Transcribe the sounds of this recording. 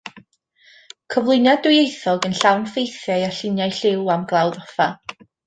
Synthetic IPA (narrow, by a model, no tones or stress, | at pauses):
kʰɔvlˠɨnjadʊjejθɔɡənɬawnfejθjajaɬɪnjajɬɪwamɡlˠawðɔfa